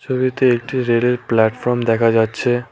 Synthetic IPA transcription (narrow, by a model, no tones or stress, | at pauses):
t͡ɕʰobit̪eek̚ʈiɾeleɾplɛʈfɔɾmd̪ɛkʰad͡ʑatːɕʰe